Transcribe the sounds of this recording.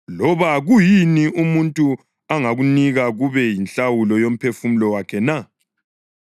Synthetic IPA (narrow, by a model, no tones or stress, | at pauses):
lɔβaɣujiniʔumuntʼu | aŋaɣuniɣaɣuβɛjinɬʼawulɔjom̩pʰefum̩lɔwakʰɛna